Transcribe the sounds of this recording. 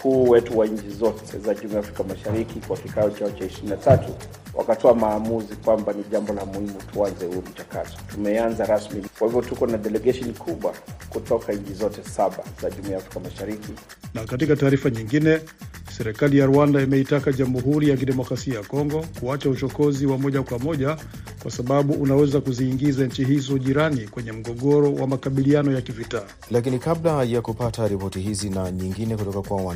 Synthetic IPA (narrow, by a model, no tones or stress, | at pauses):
m̩kʰuːwɛtuwaɲ̩t͡ʃizɔtʰɛ̰zaʄumuafɾikamaʃaɾikikwakikaɔt͡ʃaɔt͡ʃaiʃiɾinatatu | wʔa̰katʰɔamaːmuzikwambaniʄambɔlamuhimutʰuanzɛhuɾum̩t͡ʃaka̰tɔ̥tumɛanzaɾasmikwahivɔtukɔnaɗɛlɛɡaʃɔnikʰuɓwakutɔkaiɲ̩t͡ʃizɔtɛsaɓa̰z̥aʄumujafɾikamaʃaɾiki | nakatikataːɾifaɲiŋɡinɛ | sɛɾɛkalijaɾuandaimɛitakaʄamuɦuɾijak̬iɗɛmɔkɾasiajakɔŋɡɔkuat͡ʃaut͡ʃɔkɔziwamɔʄakwamɔʄa | kwasaɓaɓuʔunawɛzakuziːŋɡizaɲ̩t͡ʃiɦizɔʄiɾanikwɛɲɛm̩ɡɔɠɔɾɔwʔamakaɓilianɔjakivitaː | lakinikablajakupataɾipɔtihizinaɲiŋɡinɛkutɔkakwaa